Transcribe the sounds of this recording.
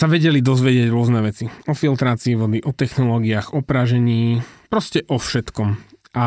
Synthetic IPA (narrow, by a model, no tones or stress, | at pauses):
saʋɛɟɛlid̪ɔzʋɛɟɪaɟɾʊɔznɛʋɛt͡siɔfilt̪ɾaːt͡siːʋɔd̪iʔɔt̪ɛxnɔlɔːɡiaːɣɔpɾaʒɛɲiːpɾɔscɛʔɔfʃɛt̪kɔmʔa